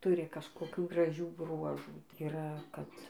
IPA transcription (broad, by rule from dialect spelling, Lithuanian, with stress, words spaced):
ˈtʊrʲɪ kɐʃkoːˈkʲuː ɡrɐˈʒʲuː ˈbruɔʒuː tɐɪ iːˈrɐ kɐt